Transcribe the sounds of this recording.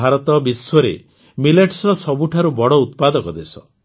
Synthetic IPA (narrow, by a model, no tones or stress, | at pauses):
aɾɔt̪ɔbiswɔɾḛ | mileʈsɾɔsɔbuʈʰaɾubɔɽɔut̪pad̪ɔkɔd̪esɔ̰